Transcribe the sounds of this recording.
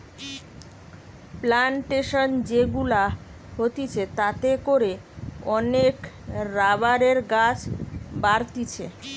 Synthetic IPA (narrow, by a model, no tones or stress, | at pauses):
plaɳʈeʃond͡ʑeɡula | ɦot̪it͡ɕʰet̪at̪ekoɾe | ɔnek | ɾabaɾeɾɡat͡ɕʰbaɾt̪it͡ɕʰe